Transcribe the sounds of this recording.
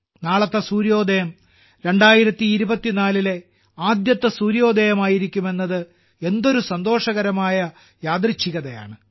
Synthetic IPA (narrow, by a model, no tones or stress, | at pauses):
naːɭɐt̪ːɐsuːɾijo̞ːd̪ʱejɐm | ɾe̞ɳɖaːjiɾɐt̪ːiːɾubɐt̪ːinaːlile̞ | aːd̪jɐt̪ːɐsuːɾijo̞ːd̪ʱejɐmaːjiɾikʲːume̞nːɐðɨ | e̞nd̪o̞ɾusɐnd̪o̞ːʂɐɣɐɾɐmaːjɐ | jaːd̪rit͡ɕːiɣɐðɐja̰ːɳɨ